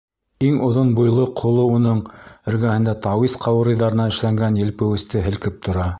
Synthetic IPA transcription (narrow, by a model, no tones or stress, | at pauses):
iŋʔŏðonbujlˠɤqʰːŏlˠounɤɴɘ̆ɾɡæhɘ̆nd̪æt̪ɑwisqʰɑwɤ̆ɾɤ̆jðɑɾɤ̆nɑɘ̆ʃlæŋɡænjɘ̆lpɘ̆wɘ̆st̪ɘɦɘ̆lkɘp̚t̪ʰŏɾɑ